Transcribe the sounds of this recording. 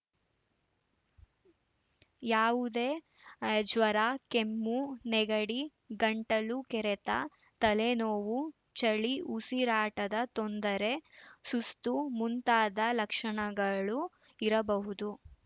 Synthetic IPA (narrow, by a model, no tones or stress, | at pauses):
jaːʋud̪eː | d͡ʒʋɐɾaːkemːunɛɡɐɽi | ɡɐɳʈɐlukɛɾɛt̪a̰ | t̪ɐlenoːʋu | t͡ʃɐɭiusiɾaːʈɐd̪ɐt̪ond̪ɐɾe̞sust̪umunt̪aːd̪ɐlɐkʂɐɳɐɡɐɭu | iɾɐbɐɦud̪u